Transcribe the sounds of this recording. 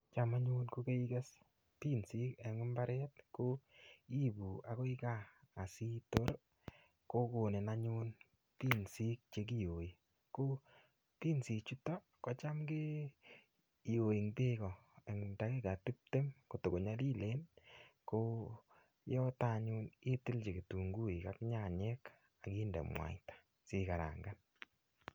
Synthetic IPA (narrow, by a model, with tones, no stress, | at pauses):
t͡ʃa˦ma˦ɲu˦nko˦ke˦i˦ɡɛ˦s | ti˦nsi˦kɛ˨ŋʊ˦mba˦ɾɛ˦tko˦i˦bu˨a˨ko˦i˦kaː˦˨si˦to˦ɾ | ko˦ko˨ne˨na˦ɲu˦n | ti˦nsi˦k̚t͡ʃe˦k̬i˦jo˨i˨ | ko˦ | ti˦nsi˨t͡ʃu˦tɔ˦ | kɔ˨˦t͡ʃa˦mɡe˦˨ | jo˨e˨ŋte˦kɔ˨ɛ˨ŋnda˨ke˦ka˨ti˦p̚te˦mko˨to˨ɡo˨ɲa˦li˦le˦nko˦ | jɔ˦ta˦ɲu˦ni˦ti˦lt͡ʃe˨ke˨tu˨ŋɡu˦i˨ka˦kɲa˦˨ɲɛ˦k | a˨ki˦ndɛ̰˨mwa̰˨tḁ˨ | si˨ka˨ɾa̰˨ŋɡa˦n